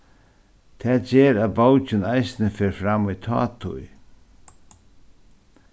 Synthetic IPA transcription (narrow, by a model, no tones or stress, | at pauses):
t̪ʰɛːd͡ʒɛːɾæðbawt͡ʃɪnajsɪnəfeːɾfɾamːit̪ʰɑ̰ːt̪ʰʊ̰j